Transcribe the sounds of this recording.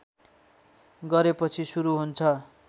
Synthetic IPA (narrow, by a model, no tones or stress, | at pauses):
ɡʌɾepʌt͡sʰisuɾuɦunt͡sʰʌ